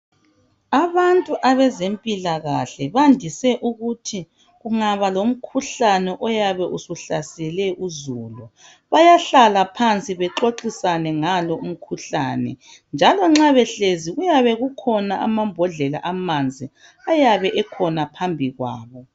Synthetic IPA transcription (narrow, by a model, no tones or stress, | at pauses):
aβantʼuʔaβɛzempʼilaɣaɬɛβandʱisɛʔuɣutʰi | ɣuŋaβalom̩kʰuɬanɛʔɔjaβɛʔusuɬasɛlɛʔuzulu | βajaɬalapʰant͡sʼiβɛǁoǃisanɛŋalɔum̩kʰuɬa̰nɛ̰ | nd͡ʒʱalɔŋ͡ǁaβɛɬeziɣujaβɛɣukʰɔnaʔa̰mambʱɔɮɛla̰ʔamand͡zʱi | ajaβɛʔɛkʰɔnapʰambʱiɣwa̰ːβɔ